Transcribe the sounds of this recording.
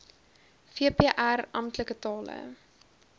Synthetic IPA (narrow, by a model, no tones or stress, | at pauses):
fiəpeəʔærɐmtləkətɑːlə̰